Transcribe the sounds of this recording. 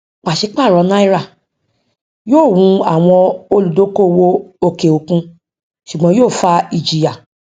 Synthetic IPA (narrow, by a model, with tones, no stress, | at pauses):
k͡pa˨ʃe˧˦k͡pa˦˨ɾɔ̃˧˦nã˦i˦ɾa˦˨ | joː˦˨wũ˧a˨w̃ɔ̃˧o˧lu˨do˨˦ko˦˨wo˦o˧ke˨o˧kũ˧ | ʃu˨ɡ͡bɔ̃˧˦joː˦˨fa˧i˧˨d͡ʒi˨ja˨